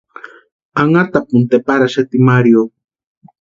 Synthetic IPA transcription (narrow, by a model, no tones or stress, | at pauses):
aŋat̪apunt̪epaɾaʃat̪imaɾjo